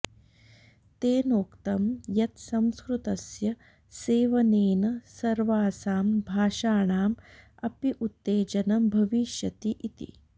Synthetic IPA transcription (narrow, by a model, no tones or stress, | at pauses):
t̪eːnoːkt̪ɐmjɐt̪sɐmskɾut̪ɐsjɐ | seːʋɐneːnɐsɐɾʋaːsaːmbʱaːʃaːɳaːm | ɐpiʔut̪ːeːd͡ʒɐnɐmbʱɐʋiʃjɐt̪iʔit̪ḭ